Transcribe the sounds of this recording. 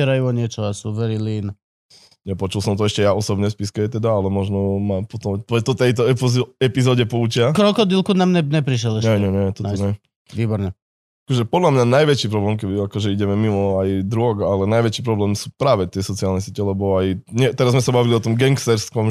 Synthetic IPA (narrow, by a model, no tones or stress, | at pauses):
ɛɾajuɔɲɪɛt͡ʃɔasuʋɛɾilin | ɲɛpɔt͡ʃulˠsɔmt̪ɔɛʃcɛjaɔsɔbɲɛspiskɛɛt̪ɛd̪aalɛmɔʒnɔmapɔt̪ɔmpɔt̪ɔt̪ɛjt̪ɔɛɛpizɔɟɛpuːt͡ʃɪakɾɔkɔd̪ilkunamɲɛɲɛpɾiʃ̬ɛlɛɲɛɛɲɛɲɛt̪ɔɲɛ | ʋiːbɔɾɲɛ | akɔʒɛpɔd̪lamɲanajʋɛt͡ʃiːpɾɔblɛːmkɛbiakɔʒɛiɟɛmɛmimɔajd̪ɾuʊɔɡalɛnajʋɛt͡ʃiːpɾɔblɛːmsuːpɾaːʋɛt̪ɪɛsɔt͡sialnɛs̬ɪɛcɛlɛbɔajɲɛt̪ɛɾazmɛsabaʋiliɔt̪ɔmɡɛŋkst̪ɛɾskɔm